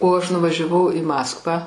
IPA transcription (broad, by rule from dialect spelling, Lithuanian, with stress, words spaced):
oː ˈɐʃ nʊʋɐʒʲɛˈʋɐʊ ɪ ˈmɑːskʋɑː